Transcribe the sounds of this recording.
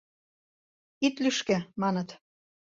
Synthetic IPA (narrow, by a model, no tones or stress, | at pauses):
it̪lyʃkĕmɑnət̪